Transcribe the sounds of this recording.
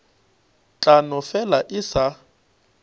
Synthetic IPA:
t͡ɬʼanɔfɛlaʔɪsa

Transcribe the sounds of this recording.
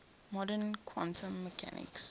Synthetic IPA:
mɔdənkʰwãntʰə̃mːəkʰa̰nʔɪ̰ks

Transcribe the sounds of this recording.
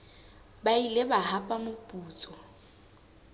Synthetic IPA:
bailebahapʼamʊpʼuːt͡sʼɔ

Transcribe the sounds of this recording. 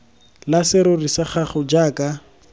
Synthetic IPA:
lasɪɾʊrisaχaχʊd͡ʒaːka

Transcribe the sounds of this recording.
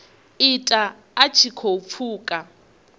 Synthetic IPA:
itʼa | at͡ʃʰikʰop̪fʰuːkʼa

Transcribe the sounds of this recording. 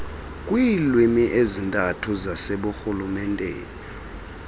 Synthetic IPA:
kʼwilwimiʔezintʼatʰuzaseɓuxulumɛntʼḛːni

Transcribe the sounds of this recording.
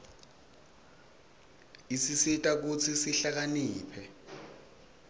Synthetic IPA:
isisitʼak̬ut͡sʰisiɬak̬aniːpʰɛ

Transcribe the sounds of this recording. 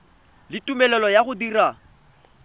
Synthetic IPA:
lɪtʼumɛlɛlɔjaχʊdira

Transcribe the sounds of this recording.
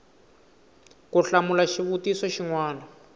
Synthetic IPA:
kuɬamulaʃiβutisɔʃiŋwaːna

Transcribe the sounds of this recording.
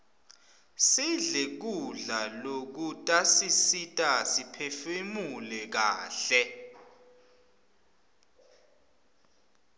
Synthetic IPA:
siɮek̬uɮalok̬utʼasisitʼasipʰɛfemulɛk̬aːɬɛ

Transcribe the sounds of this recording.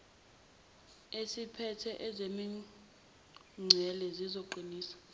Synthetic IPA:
esipʰɛtʰɛʔɛzemi | ŋ͡ǀʱɛlɛzizoǃiniːsḁ

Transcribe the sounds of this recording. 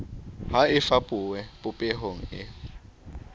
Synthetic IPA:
ɦaɪfapʼʊwɛpʼʊpʼɛɦoŋ̩ɪ

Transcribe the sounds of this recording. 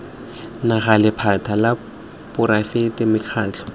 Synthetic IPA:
naɣalɪpʰatʰala | pʊɾafetɪmɪkʰaːt͡ɬʰɔ̥

